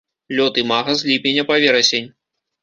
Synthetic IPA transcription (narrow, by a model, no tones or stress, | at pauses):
lʲɔt̪ɨmaɣɐzʲlʲipʲenʲːɐpavʲɛɾɐsʲenʲ